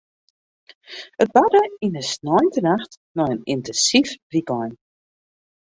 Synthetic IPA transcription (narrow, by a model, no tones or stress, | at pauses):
ət̚badəinəsnɔjntənaxt | nɔjənintɛnsifbriɡɔjn